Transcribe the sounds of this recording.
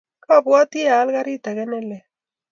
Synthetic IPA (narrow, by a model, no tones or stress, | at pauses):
kabwat̪ieaːlɣaɾit̪aɣenele